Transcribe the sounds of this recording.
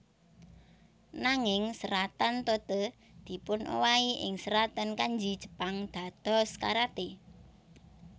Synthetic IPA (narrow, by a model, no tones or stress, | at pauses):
naŋɪŋsəɾat̪ant̪ot̪ə | d̪̥i̤pʊnʔo̰waiʔɪ̰ŋsəɾat̪ankaɲd͡ʒid̥ʒ̥ə̥̤paŋd̪̥ä̤d̪̥ɔ̤ska̰ɾat̪e